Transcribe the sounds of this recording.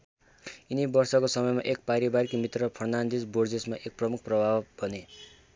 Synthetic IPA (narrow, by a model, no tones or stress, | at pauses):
inibʌrsʌkosʌmʌjma̰ʔek̚paɾibaɾikmit̪rʌpʰʌɽnand̪id͡zbord͡zesmaʔek̚prʌmuk̚ʰprʌbʱabbʱʌne